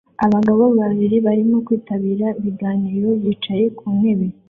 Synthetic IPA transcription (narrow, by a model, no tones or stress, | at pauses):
aβaɡaβoββaβiɾiβaɾimo̞kwiːtaβiːɾaiβiɡaːniːɾo̞βjit͡ʃaje̞kʰume̞βe